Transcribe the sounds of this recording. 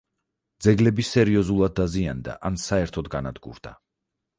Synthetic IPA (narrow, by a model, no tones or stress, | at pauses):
d̪zɛɡlɛbisɛɾiɔzulˠad̪̚ːaziand̪a̰ʔansaɛɾt̪ʰɔd̪ɡanad̪ɡṵɾd̪a